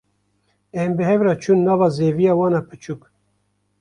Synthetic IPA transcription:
ɛmbɨɦɛvɾɑt͡ʃʰunːɑːvɑːzeːvijɑːwɑːnɑpʰɨt͡ʃʰuːk

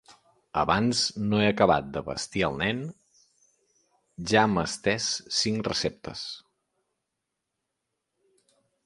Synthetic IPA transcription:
ə̰βanznoeəkəβa̰t̪̚d̪əβə̰st̪iəlˠnɛn | ʒaəməst̪ɛsːiŋkrəsep̚t̪ə̰s

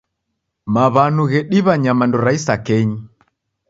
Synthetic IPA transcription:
maβanuɣɛɗiβaɲamandɔɾaisakɛɲi

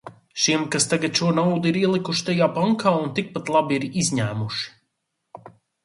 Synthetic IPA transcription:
ʃiɛmkast̪aɡat̪ʃuɔnawd̪uiɾiɛlˠikuʃi̥t̪ajaːpaŋkʰaːunt̪ik̚pat̪lˠabiiɾizʲɲæːmuʃi̥

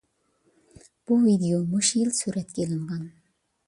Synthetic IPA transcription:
b̥uvid̪ejomuʃjilˠsyɾɛt̪kʲelɪɴʁɑn

